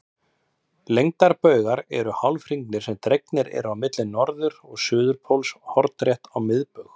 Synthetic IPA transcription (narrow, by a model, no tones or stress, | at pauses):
lejŋt̪aɾpœːɥɣaɾɛɾʏhawlfɾiŋknɪɾ̥sɛmt̪ɾejknɪɾɛ̰ɾawmɪt̪lɪnːɔɾðʏɾɔɣsʏːðʏɾpʰowlshɔɾt̪ɾjɛht̪awmɪðpœɣ